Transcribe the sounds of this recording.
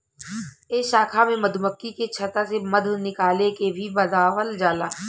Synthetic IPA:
eːʃaːkʰamẽmɐd̪ʱməkːiket͡ʃʰɐt̪aseməd̪ʱnɪkaːlekebʱibɐzaːʋəld͡ʒaːlaː

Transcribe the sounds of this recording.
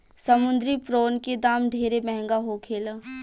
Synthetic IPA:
səmʊ̃nd̪ɾipɾoːnked̪aːmɖʱeːɾemɛɦɛ̃ŋɡaɦokʰeːlə

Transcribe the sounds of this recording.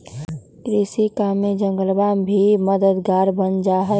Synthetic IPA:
kɾisikamed͡ʒə̃ŋɡəlbabʱiməd̪əd̪ɡaːɾbənd͡ʒaːɦɛ

